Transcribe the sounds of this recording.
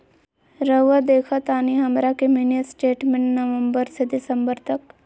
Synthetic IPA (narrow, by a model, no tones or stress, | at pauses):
ɾəʋad̪eːkʰat̪aːniɦɐmɾakeminjəsʈeːʈmẽɳʈnɐʋə̃mbəɾsed̪ɪsə̃mbəɾt̪ɐk